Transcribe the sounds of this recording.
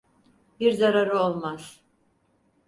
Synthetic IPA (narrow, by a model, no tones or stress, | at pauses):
biɾzaɾaɾɯo̞lˠmaz̥